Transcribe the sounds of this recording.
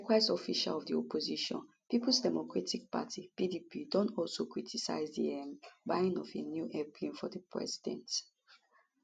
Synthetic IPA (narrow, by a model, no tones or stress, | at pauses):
kwaɪsɔfiʃa̰lɔvdiɔpʰoziʃɔ̰̃n | piplsdɛmokɹatik̚pa̰tʰipidipidɔ̃ntɔlsokɹitʰisa̰ɪzdḭɛmbaɪĩnɔfenjuʔɛpʰĩnfɔdəpʰɹɛ̰zidɛ̰̃nt